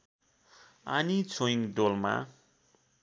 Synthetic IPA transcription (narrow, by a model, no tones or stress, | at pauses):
anit͡sʰoiŋd̪olma̰